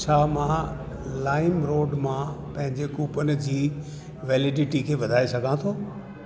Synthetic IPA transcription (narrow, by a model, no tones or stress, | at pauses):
t͡ɕʰaːmã | laːɪmɾoːɖmãpɐ̃ɦɪ̃ɲd͡ʑekuːpənɪ̆d͡ʑiː | ʋeːlɪɖɪʈikʰeːʋɐd̪ʱaːesɐɡʱãt̪ʰoː